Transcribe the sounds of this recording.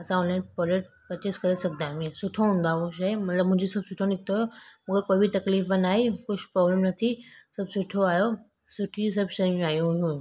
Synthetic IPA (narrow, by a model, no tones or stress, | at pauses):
ɐsãɔnlanpəɾeʈ | pɐt͡ɕeskəɾesɐk̚d̪ãmĩsʊʈʰoɦũnd̪aoʃaemɐt̪ləbmʊ̃ɪ̃ɲd͡ʑisɐbsʊʈʰonɪk̚t̪oaːjomũkekoːibit̪ɐkliːfənaːɦekʊsʰpɾɔːbləmnɐt̪ʰisɐbsʊʈʰoaːjo | sʊʈʰis̬ɐbʃəmẽaːjõɦũ